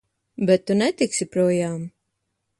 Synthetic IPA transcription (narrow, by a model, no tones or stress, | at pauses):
bɛt̪ːunɛt̪iksipɾuɔjaːm